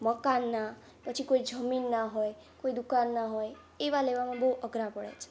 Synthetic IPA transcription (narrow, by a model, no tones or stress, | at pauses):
məkanːa | pət͡ʃʰikoid͡ʒəminːaɦoj | koid̪ukanːaɦoj | eʋaleʋamãbəɦuʔəɡɾapəɽḛt͡ʃʰe̥